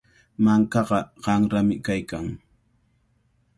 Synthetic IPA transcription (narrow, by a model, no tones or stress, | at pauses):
maŋkɑɢɑɢɑŋɾamɪkajkaŋ